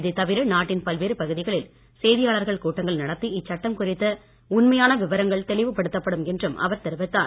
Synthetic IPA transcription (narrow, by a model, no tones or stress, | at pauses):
ðɯt̪ɐʋɪɾɯnaːʈːɪnpɐlʋeːɾɯpɐɣɯðɪɣɐɭɪl | seːðɪjaːɭɐɾɣɐɭkuːʈːɐŋɡɐɭnɐɽɐt̪ːiɪt͡ʃːɐʈːɐmkʊrɪt̪ːɐ | ʊnmɐjaːnɐʋɪʋɐɾɐŋɡɐɭt̪ɛɭɪʋɯpɐɽɯt̪ːɐpːɐɽɯmɛndrɯmʔɐ̰ʋɐɾt̪ɛɾɯʋɐt̪ːa̰ː